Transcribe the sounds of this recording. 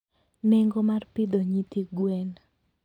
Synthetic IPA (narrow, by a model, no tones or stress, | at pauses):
nɛŋɡɔmarpɪd̪oɲit̪iɡwɛn